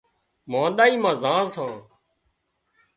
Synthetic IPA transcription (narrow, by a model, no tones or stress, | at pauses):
mãːɗ̪aːiːmãːzãːsãː